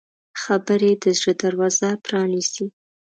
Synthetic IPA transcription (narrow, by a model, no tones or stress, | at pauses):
xabəɾed̪əzɽəd̪aɾwɑzapɾɑnisi